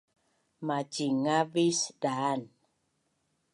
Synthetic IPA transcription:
mad͡ʒiŋavisdan

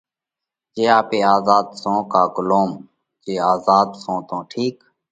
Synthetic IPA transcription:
d͡ʒeːaːpeːaːzaːd̪sõːkaːɡʊloːm | d͡ʒeːaːzaːd̪sõːt̪õːʈʰiːk

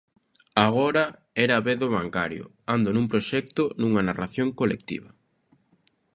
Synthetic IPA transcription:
aɣoɾɐ | ɛɾaːβeðʊβaŋkaɾjʊ̰ | and̪onũŋpɾoʃɛk̚t̪ʊnuŋɐnaraθjoŋkolḛkt̪ḭβɐ

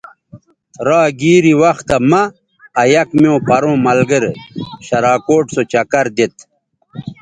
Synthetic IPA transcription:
t̪ɾaːɡiːɾiwɐxt̪ɐmɐː | jɐkmeõpɐɾõːmɐlɡəɾɕɐɾaːkoːʈsot͡ɕɐkɐɾd̪et̪

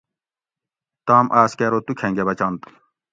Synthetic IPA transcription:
t̪aːmʔaːskeːɾot̪ukʰẽŋɡebɐt͡ɕant̪

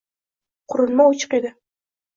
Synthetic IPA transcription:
qʰʊɾʊnmaʊt͡ʃʰɨ̥qed̪ɪ

